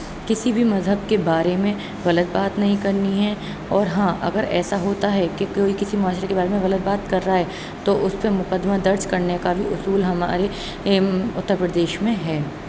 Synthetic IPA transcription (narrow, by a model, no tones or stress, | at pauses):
kɪsibʱimɐzɦəbkebaːɾemẽ | ɣɐlət̪̚baːt̪nɐɦĩkɐɾniɦɛ̃ | ɔːɾɦãːʔɐ̰ɡəɾɛ̰ːsaɦoːt̪aɦɛkekoːikɪsimʊɦaːʃɾekebaːɾemẽɣɐləd̪̚baːt̪kɐɾːaaɦɛ | t̪oʔʊspemʊqəd̪mad̪ɐɾt͡ʃkɐɾnekabʱiʔʊsuːlɦɐma̰ːɾe | ʊt̪ːəɾpɾəd̪eːʃmẽɦɛː